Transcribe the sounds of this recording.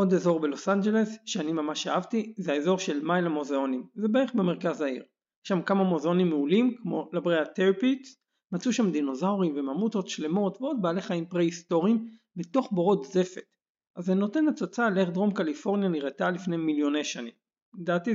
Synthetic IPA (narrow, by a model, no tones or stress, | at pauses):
ʔo̞d̪eːzo̞ʁbe̞lo̞sand͡ʒe̞le̞sʃeanimamaʃaavt̪izeaezo̞ʁʃe̞lmajlamo̞zeo̞nimzebeeχbemeʁkazaiʁ | jeʃamkamamo̞zeo̞nimːeulimkmo̞labʁeat̪eʁpits | mat͡suʃamd̪ino̞zawʁimvemamuto̞tʃle̞mo̞tveo̞d̪̚baːle̞χaimpʁeisto̞ʁim | bet̪o̞χboʁo̞tze̞fe̞t | azeno̞te̞nat͡sot͡saleχd̪ʁo̞mkalifo̞ʁnjaniʁet̪alifne̞jmiljo̞ne̞jʃanḭm | d̪aːt̪i